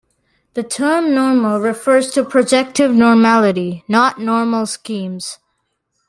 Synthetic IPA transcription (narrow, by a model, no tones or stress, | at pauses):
ðɨtʰɜ˞mnɔɹml̩ˠɹɪfɜ˞z̥tʰɨpʰɹ̥ɨd͡ʒɛk̚tɪvnɔɹmælˠəɾinətⁿnɔɹml̩ˠskĩmz̥